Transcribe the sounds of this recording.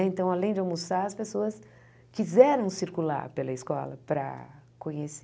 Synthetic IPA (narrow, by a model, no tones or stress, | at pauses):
ẽnt̪ɐ̃w̃alẽj̃d͡ʒawmusaɾɐspesoɐs | kizɛɾɐ̃w̃siɾkula̰ɾpelɐɪskɔ̰lɐ̰pɾɐ̰kõɲes